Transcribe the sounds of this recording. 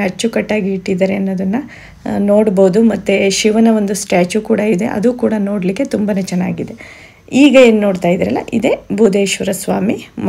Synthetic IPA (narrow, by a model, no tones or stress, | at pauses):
ɐɾt͡ʃːukɐʈːaːɡiiʈːid̪ɐɾeɐnːoːd̪ɐnːɐ | no̞ːɽboud̪umɐt̪ːeʃiʋɐnɐʋo̞nd̪usʈjaːt͡ʃukuːɽɐid̪e̞̰ʔɐ̰d̪uːkuːɽɐno̞ːɽlikːe̞t̪umbɐnet͡ʃɛnːaːɡid̪e̞ | iːɡɐe̞ːnuno̞ːɖt̪aːjid̪iɾɐlːɐ̰ʔid̪e̞bʱuːd̪e̞ːʃʋɐɾɐsʋaːmim